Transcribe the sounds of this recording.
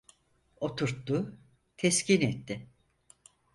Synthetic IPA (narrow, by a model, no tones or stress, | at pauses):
o̞t̪ʰuɾt̪ːʊ | t̪ʰɛscʰinɛt̪ːɪ